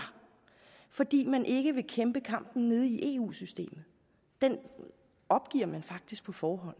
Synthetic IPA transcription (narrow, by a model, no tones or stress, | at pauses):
fɒ̽d̥ḭːmænʔe̝ɡ̥əʋe̝kʰemb̥əkʰɑ̈m̰b̥n̩ne̝ð̞ˠiʔe̝̰ṵːsysd̥e̝̰ːmð̞̩ˠ | d̥en | ɒ̽b̥ɡ̥iɐ̰mænfɑ̈ɡ̥̚d̥isɡ̥̚pʰɒ̽fɒːɦɒ̽n̰